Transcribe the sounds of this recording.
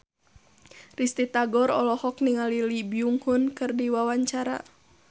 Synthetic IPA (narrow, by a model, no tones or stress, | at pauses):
rist̪it̪aɡɔɾɔ̰lɔhɔk̚niŋalilibiuŋhunkɨrdiwawaɲt͡ʃaɾa̰